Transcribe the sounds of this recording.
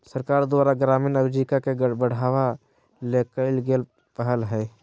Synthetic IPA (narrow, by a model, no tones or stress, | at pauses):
səɾkaːɾd̪waːɾaɡɾaːminəd͡ʒikakeɡəbəɽ̤aːʋa | lekəɪlɡel | pəɦəlɦɛː